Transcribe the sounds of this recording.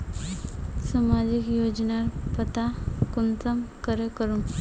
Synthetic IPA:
samad͡ʑikjod͡ʑnaɾpət̪akunt̪əmkəɾəkəɾum

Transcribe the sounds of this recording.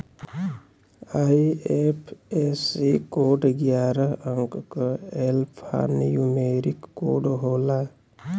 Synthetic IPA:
aiepʰesikoːɖɡjaːɾəəŋkkəelpʰa̰ːnjumeːɾikːo̰ːɖɦoːla

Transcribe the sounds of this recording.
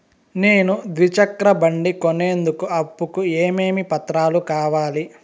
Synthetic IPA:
ne̞ːnud̪ʋit͡ʃɐkɾɐbɐɳɖikoneːnd̪ukuɐpːukueːme̞ːmipɐt̪ɾaːlukaːʋaːli

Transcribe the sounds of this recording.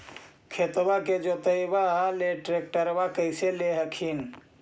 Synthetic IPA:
kʰet̪baked͡ʒot̪əjbaɦleʈɾek̚ʈəɾbakəjseleɦəkʰin

